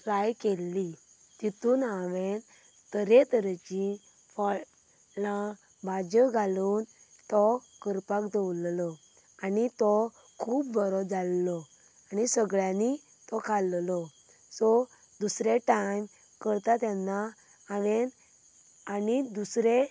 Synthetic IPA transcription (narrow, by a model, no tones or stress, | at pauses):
plajkelːi | t̪it̪uːnaʋen | t̪əɾet̪əɾɛt͡ɕi | fɔ | lã | bʱad͡ʑəɡʱaluːn | t̪ɔ | kəɾpakd̪ewllɔ | anit̪ɔ | kʰuːp̚bʱɔɾɔd͡zalːɔ | anisəɡɭjãni | t̪ɔkʰallɔ | sɔ | d̪usɾeʈajm | kəɾt̪at̪janːaː | ʋɛn | anid̪usɾe